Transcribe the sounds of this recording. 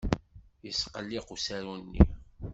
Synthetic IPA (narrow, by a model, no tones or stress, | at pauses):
jəsqəlːiqusæɾunːḭ